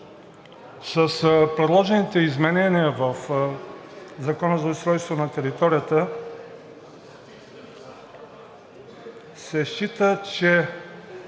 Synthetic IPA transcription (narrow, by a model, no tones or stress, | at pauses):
sɐspɾɛd̪lˠɔʒɛnit̪ɛizmɛnɛnijəvəf | zakɔnəzɐust̪ɾɔjst̪vonɐt̪ɛɾit̪ɔɾijət̪ə | sɛʃit̪ət͡ʃɛ